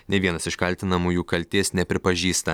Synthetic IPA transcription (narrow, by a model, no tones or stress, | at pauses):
nʲɛʋʲiɛnɐsɪʃkɐlʲt̪ʲɪnɐmuːjuːkɐlʲt̪ʲeːsnʲɛpʲɾʲɪpɐʒʲiːst̪ɐ